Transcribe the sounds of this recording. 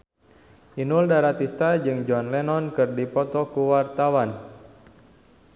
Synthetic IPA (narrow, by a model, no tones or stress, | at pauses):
ʔinuldaɾat̪ist̪ad͡ʒɨŋd͡ʒɔnlɛnɔnkɨrdipɔt̪ɔkuwart̪awan